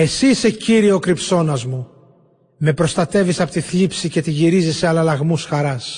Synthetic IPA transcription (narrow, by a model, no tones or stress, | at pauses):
e̞siseciɾio̞kɾipso̞nɐzmu | me̞pɾo̞st̪ɐt̪e̞visɐpot̪iθlipsice̞t̪iʝiɾiziseɐlɐlɐɣmusxɐɾɐs